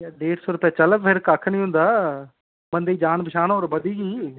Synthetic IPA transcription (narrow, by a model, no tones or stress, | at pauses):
jaːɖeːɽsoːɾʊpɛːt͡ʃələpʰeɾkakʰnĩːʊ̃nd̪aː | mənd̪eiːd͡ʒaːnbʱɪʃaːnːɾbəd̪iːɡiː